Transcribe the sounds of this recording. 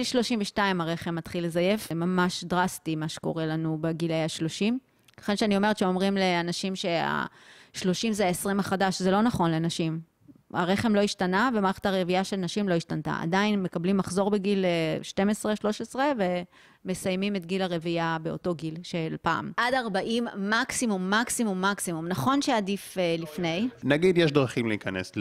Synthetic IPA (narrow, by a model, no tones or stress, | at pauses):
lʃlo̞ʃimveʃtaimaʁe̞χemːatχile̞zaje̞fmamaʃdʁastimaʃe̥ko̞̰ʁe̞lanubeɡilejaʃlo̞ʃim | laχenʃɛanio̞meett͡ʃeo̞mʁimle̞anaʃimʃe̞a̰ | ʃlo̞ʃimzeaesʁimaχadaʃzelo̞naχo̞nlenaʃim | a̰ʁe̞χe̞mlo̞iʃtanavemaʁeχe̥taʁeviaʃelnaʃimlo̞iʃtanta̰ʔa̰dainme̞kablimːaχzo̞ʁbeɡilʃte̞mesʁeʃlo̞ʃesʁeve̞ | mesajmime̞tɡilaʁeviabeo̞̰to̞ɡilʃelpa̰ːmʔadaʁbaʔimːaksimumːaksimumːaksimumnaχo̞nʃeadifelifne̞jnaɡid̪jeʃdʁaχimleikanḛs